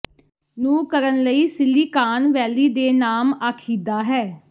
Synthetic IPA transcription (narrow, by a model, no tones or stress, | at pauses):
nũːkəɾənləiːsɪlːiːkaːnʋɛːliːd̪eːnaːmaːkʰiːd̪aːɦɛː